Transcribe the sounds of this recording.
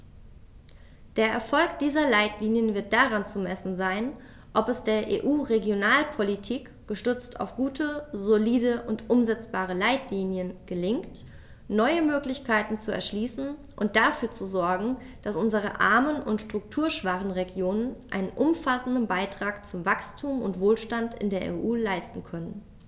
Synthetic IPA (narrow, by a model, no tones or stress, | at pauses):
d̥eːɐʔɛɐfɔlkd̥iːzɐlaɪtliːnjənvɪɐt̚d̥aʁant͡sumɛsn̩zaɪn | ʔɔpɛsd̥eːɐʔḛːʔuːʁeɡjonaːlpʰolitʰiːk | ɡ̥əʃtʏt͡stʰa̰ʊfɡ̥uːtʰəzoliːdəʔʊntʔʊmzɛt͡sb̥aːʁ̞əlaɪtʰliːnjənɡ̥əlɪŋkt | nɔʏəmøːklɪçkʰaɪtn̩t͡suɛ̰ɐʃliːsn̩ | ʔʊnt̚d̥afyːɐt͡suzɔɐɡŋ̩ | d̥asʔʊnzəʁ̞əʔa̰ɐmənʊntʃtʁ̥ʊk̚tʰuːɐʃv̥aχn̩ʁeɡjoːnənʔa̰ɪnənʔʊmfasn̩dn̩baɪtʁ̥aːkt͡sʊmvakstʰuːmʊ̰ntv̥oːlʃtantɪ̰ndeːɐʔḛːʔuːlaɪstn̩kʰœnən